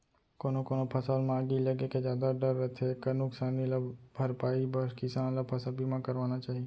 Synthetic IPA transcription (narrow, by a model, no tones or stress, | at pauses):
koːnokoːnopʰɐsaːlmãːɡilɐɡekezjaːd̪aɖəɾːət̪ʰekɐnʊksaːniləbbʱɐɾpaːibəɾkɪsaːnlapʰɐsabimãkɐɾʋaːnat͡ʃaːɦieː